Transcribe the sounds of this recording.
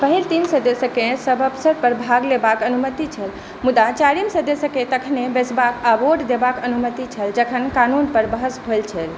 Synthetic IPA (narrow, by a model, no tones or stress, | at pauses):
pəɦilt̪insəd̪esə̃kesəbəpsəɾpəɾbʱaɡlebakənumət̪it͡ʃʰəl | mud̪at͡ʃaɾimsəd̪əsə̃ket̪əkʰnebesbakaboɖd̪ebakənumət̪it͡ʃʰəld͡ʒəkʰənkanunpəɾbəɦəsbʱojlt͡ʃʰəl